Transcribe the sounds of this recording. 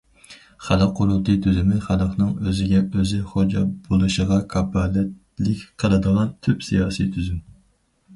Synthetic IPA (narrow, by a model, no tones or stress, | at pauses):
χælˠəqʰːʊɾulˠt̪ʰɨt̪ʰyzymɪχælˠəqnɨŋøzɪɡʲɛʔøzɪχod͡ʒɑbolˠuʃəʁɑkʰɑbɑːlɛt̪ | lɪkʲqʰəlˠɨd̪əʁɑnt̪ʰypsijɑːsit̪ʰyzym